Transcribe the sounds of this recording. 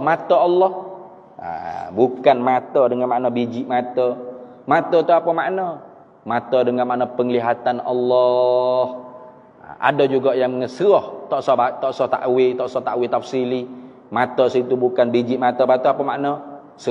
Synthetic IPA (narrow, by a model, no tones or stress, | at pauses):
mat̪əːlːɔh | a̰bukanmat̪ədəŋanmaʔnɔbid͡ʒiʔmat̪ə | mat̪ət̪uapəmaʔnə | mat̪ədəŋanmaʔnəpəŋəliɦat̪anɔ̰lːɔh | ʔa̰dod͡ʒuɡaʔjaŋŋəsɾɔht̪ɔʔsɔt̪ɔʔsɔht̪a̰ʔwit̪ɔʔsɔht̪aʔwit̪afsili | mat̪əsit̪ubukanbid͡ʒiʔmat̪əpat̪əapəma̰ʔnɔ | s